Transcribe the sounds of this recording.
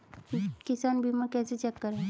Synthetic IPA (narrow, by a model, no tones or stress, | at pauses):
kɪsaːnbʱiːmaɾkɛːset͡ʃɛkːəɾɦɛː